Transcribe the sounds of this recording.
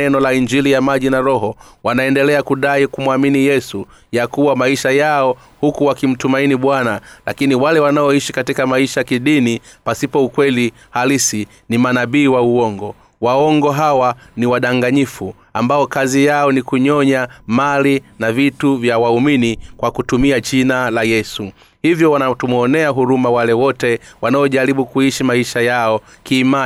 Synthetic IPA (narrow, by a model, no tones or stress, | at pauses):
ɛnɔlaiɲd͡ʒilijamaʄinaɾɔɦɔwanaɛndɛlɛakuɗaikumwaminijɛsu | jakuwamaiʃajaɔ | hukuwakim̩tumainiɓwanalʔa̰kiniwalɛwanaɔiʃikatikamaiʃaakiɗinipasipɔukwɛli | halisi | nimanaɓiːwauɔŋɡɔ | waɔŋɡɔɦawaniwaɗaŋɡaɲifu | ambaɔkazijaɔnikuɲɔɲamalinavituvjawauminikwakutumiaʄinalajɛsu | hivjɔwanatumɔnɛaɦuɾumawalɛwɔtɛwanaɔʄaɾiɓukuiʃimaiʃajaɔ | kiːma